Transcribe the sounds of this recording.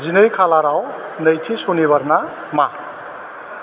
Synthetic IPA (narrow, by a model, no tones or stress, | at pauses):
d͡zinʌjkʰalaɾaw | nʌjt̪ʰisonebʌrna | ma